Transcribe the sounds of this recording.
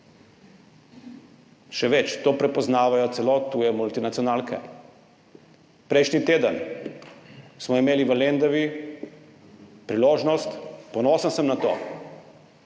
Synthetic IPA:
ʃɛʋɛt͡ʃt̪oːpɾɛpɔznaːʋajɔt̪sɛloːt̪uːjɛmult̪inat̪sijɔnaːlkɛ̰ | pɾɛjʃnit̪eːd̪ən | smɔimeːliʋəlend̪ɔʋi | pɾiloːʒnɔst̪pɔnoːsənsəmnat̪o̰ː

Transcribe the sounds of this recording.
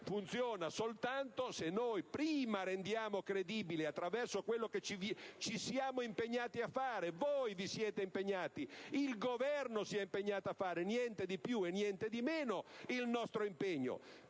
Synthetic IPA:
funt̪sjɔːnasolt̪ant̪osenːojpɾiːmaɾend̪jaːmokɾed̪iːbileat̪ːɾavɛrsokwelːoket͡ʃivit͡ʃisjaːmoimpeɲːaːt̪iafːaːɾevojvisjɛːt̪eimpeɲːaːt̪iilɡovɛrnosiɛimpeɲːaːt̪oafːaːɾenjɛnt̪ed̪ipjuenjɛnt̪ed̪imeːnoilnɔst̪ɾoimpeɲːo̰

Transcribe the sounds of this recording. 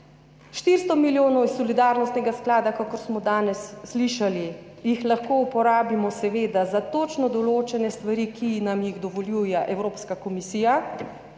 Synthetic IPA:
ʃt̪iɾst̪ɔmiljoːnɔwisːɔlid̪aːɾnɔst̪nɛɡasklaːd̪akakɔɾsmɔd̪aːnɛsːliʃali | jixlaxkoːupɔɾaːbimɔsɛʋeːd̪azat̪oːt͡ʃnɔd̪ɔloːt͡ʃɛnɛst̪ʋaɾikinamjiɣd̪ɔʋɔljuːjɛʔɛwɾoːpskakɔmisiːja

